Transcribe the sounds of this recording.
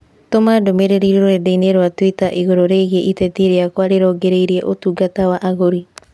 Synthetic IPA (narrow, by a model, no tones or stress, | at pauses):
tomadomeɾeɾiɾoɾoɾedejneɾoatuitaʔiɣoɾoɾeɣieʔitetiɾeakoaɾeɾɔɡeɾejɾieʔotuɡatawaʔaɣoɾi